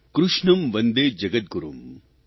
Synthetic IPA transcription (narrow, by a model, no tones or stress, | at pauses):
kɾuʂɳɐmʋɐnd̪eːd͡ʒɐɡɐt̪̚ɡuɾum